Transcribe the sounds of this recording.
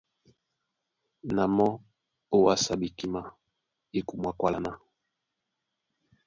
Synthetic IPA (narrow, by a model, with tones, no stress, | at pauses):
na˨mɔ˦ | o˦wa˦sa˨bi˨ki˦ma˦ | e˦ku˨mwa˨kwa˦la˨na˦